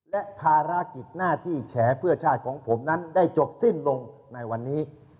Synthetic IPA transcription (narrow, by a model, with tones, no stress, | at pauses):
lɛ˦˥ʔpʰaː˧ɾa˦˥ki˨˩t̪̚naː˥˩t̪ʰiː˥˩t͡ɕʰɛː˩˦pʰɯ˥˩ɐt͡ɕʰaː˥˩t̪̚kʰɔː˩˦ŋpʰo˩˦mna˦˥nda˥˩jt͡ɕo˨˩p̚si˥˩nlo˧ŋ | na˧jwa˧nːiː˦˥